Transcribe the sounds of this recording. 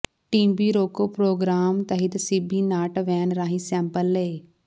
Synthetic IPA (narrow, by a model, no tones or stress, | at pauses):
ʈiːmbiːɾoːkoːpɾoːɡɾaːmt̪əɦɪt̪siːbiːnaːʈʋɛːnɾaːɦĩːsɛ̃ːmpəleː